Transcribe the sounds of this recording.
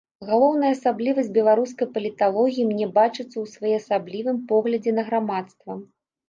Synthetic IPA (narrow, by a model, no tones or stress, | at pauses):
ɣalˠɔwnɐjɐːsablʲivɐsʲtʲbʲɛlˠaɾuskɐjpɐlʲit̪alˠɔɣʲijimnʲɛbat͡ʂɨt̪sːɐwsvajɛɐsablʲivɨmpɔɣlʲɐd͡zʲɛnɐɣɾamat̪st̪vɐ